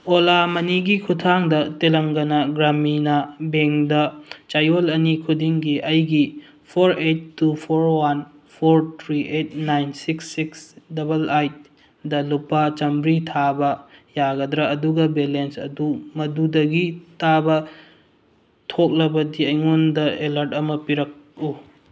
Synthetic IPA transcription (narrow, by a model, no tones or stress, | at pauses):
olamɐniɡikʰutʰaŋdɐtelɐŋɡɐnɐɡɾaminɐbeŋdɐt͡ʃajolɐnikʰudiŋɡiʔɐjɡi | pʰoɾetːupʰoɾwan | pʰoɾtʰɾiʔet̚najnsiksːiksdɐbɐlajt̚ | dɐlupːat͡ʃɐmbɾitʰabɐjaɡɐdɾɐːduɡɐbelensɐ̰dumɐdudɐɡitʰabɐ | tʰok̚lɐbɐdiɐjŋundɐelɐɾtɐmɐpiɾɐk̚u